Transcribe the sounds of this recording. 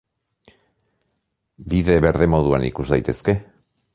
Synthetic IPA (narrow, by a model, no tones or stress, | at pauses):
biðe̞βe̞ɾðe̞mo̞ð̞ua̰nḭkuzd̪ajt̪e̞ske̞